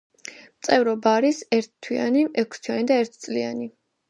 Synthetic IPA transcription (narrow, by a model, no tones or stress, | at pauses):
mt̪sʼɛvɾɔbaːɾisɛɾt̪ʰt̪ʰwia̰niʔɛkʰst̪ʰwianid̪aɛɾt̪ʰt̪sʼliani